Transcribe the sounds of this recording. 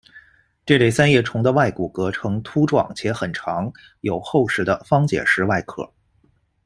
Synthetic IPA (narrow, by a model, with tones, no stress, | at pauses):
ʈ͡ʂɤ˥˧le˥˩ɪsa˥njɛ˥˩ʈ͡ʂʰʊ˧˥ŋd̪ə˧wa˥˩ɪku˨˩kɤ˧˥ʈ͡ʂʰɤ˧˥ŋt̪ʰu˥ʈ͡ʂwɑ̰˨˩ŋt͡ɕʰjɛ˧˥xə˨˩nʈ͡ʂʰɑ˧˥ŋ | jo˨˩ʊxo˥˧ʊʂɻ̩˥˩d̪ə˧fɑ˥ŋt͡ɕjɛ̰˨˩ʂɻ̩˥˧˥wa˥˩ɪkʰɤ̰˨˩˦